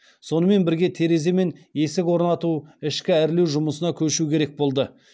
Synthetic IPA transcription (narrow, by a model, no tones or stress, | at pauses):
so̞nəme̞nbɪɾɡʲe̞t̪ʰe̞ɾe̞ze̞me̞ne̞sɪkwo̞ɾnɑt̪uɪʃkʲɪæɾle̞wʒʊməsənɑkʲʰɵʃukʲʰe̞ɾe̞k̚bo̞lˠd̪ə